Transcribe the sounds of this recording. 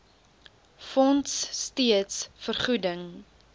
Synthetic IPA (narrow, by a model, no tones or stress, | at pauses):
fɔntsːtiətsfərχudəŋ